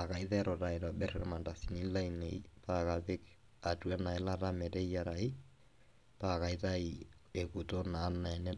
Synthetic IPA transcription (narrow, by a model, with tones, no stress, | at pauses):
a˨ka˨i˦ðɛɾɔ˨ɾa˨i˨ɾa˨ɓɛ˦ɾɛɾma˨nda˨si˨ni˦la˦ine˨i˦paka˨βe˦k | a˨tu˨ɛ˦na˨e˦la˦ɾa˦mɛ˨ɾɛ˦i˦ja˨ɾa˨i˦ | paka˨ita˦ie˨ku˨to˦naː˨˦na˨ɛ˨nɛ˦